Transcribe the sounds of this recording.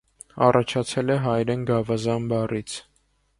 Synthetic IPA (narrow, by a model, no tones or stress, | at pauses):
ɑ̰rʔɑt͡ʃʰɑt͡sʰɛlɛɦɑjɾɛnɡɑvɑzɑnbɑrit͡sʰ